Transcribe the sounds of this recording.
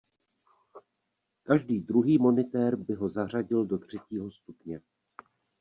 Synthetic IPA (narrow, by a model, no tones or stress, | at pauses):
kaʒdiːd̪ɾuɦiːmo̞nɪt̪ɛɾbɪɦo̞zar̝aɟɪldo̞t̪r̝̥ɛciːɦo̞st̪upɲɛ